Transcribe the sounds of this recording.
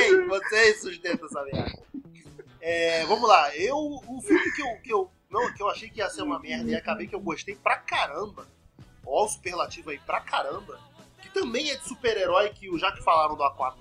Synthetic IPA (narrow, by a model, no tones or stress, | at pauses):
ejvosesuʃt̪ẽnt̪ɐɛsamɛhd̪ɐ | ɛvɐ̃mʊlaewʊfimʊkɪewkɪew | nɐ̃w̃kɪewaʃejkɪiɐseɾũmɐmɛɦd̪ɐiakabejkɪewɡoʃt̪ejpɾɐkaɾɐ̃bɐ | aʊsu̥pehlat͡ʃivʊaipɾɐkaɾɐ̃bɐkɪ̥t̪ɐ̃mbẽj̃ɛd͡ʒɪsupeɾeɾɔjkɪʊʒakɪ̥falaɾɐ̃w̃d̪ʊakwat̪